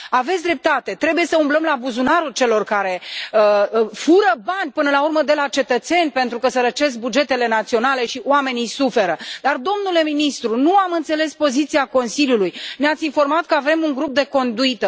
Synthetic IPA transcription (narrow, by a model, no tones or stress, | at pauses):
ave̞t̪sʲd̪ɾe̞p̚t̪at̪e̞t̪ɾe̞buje̞səumbləmlabuzunaɾult͡ʃe̞lo̞rkaɾe̞əfuɾəbanʲpɨnəlaurməd̪e̞lat͡ʃe̞t̪ət̪se̞nʲpe̞nt̪ɾukəsəɾət͡ʃe̞s̬k̚bud͡ʒe̞t̪e̞le̞nat̪sio̞nale̞ʃiowame̞nijsufe̞ɾəd̪ard̪o̞mnule̞minist̪ɾunuamɨnt̪se̞le̞spo̞zit̪siako̞nsiljulujneat̪sʲinfo̞rmat̪̚kəave̞muŋɡɾup̚d̪e̞ko̞nd̪uit̪ə